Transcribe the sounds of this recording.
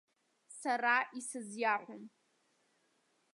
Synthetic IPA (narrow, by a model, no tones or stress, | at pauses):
saraʔisɨzjaħʷʊm